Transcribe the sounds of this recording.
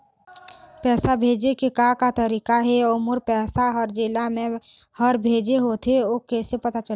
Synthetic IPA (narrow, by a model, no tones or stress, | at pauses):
pɛːsabʱeːd͡ʒekekakat̪əɾiːkaɦɛomʊɾpɛːsaɦɔɾd͡ʒɪlamẽ | həɾbʱeːd͡ʒeɦot̪ʰeoːkɛːsepət̪at͡ʃə